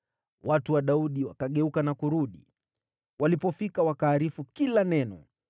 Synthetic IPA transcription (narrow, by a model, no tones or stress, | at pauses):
watuwaɗauɗiwakaɠɛukanakuɾuɗḭ | walipɔfikawakaːɾifukilanɛnɔ̰